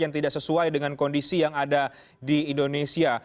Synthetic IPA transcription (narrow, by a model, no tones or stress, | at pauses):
jaŋt̪idaʔsəsuajdəŋankondisijaŋada | diːndonesia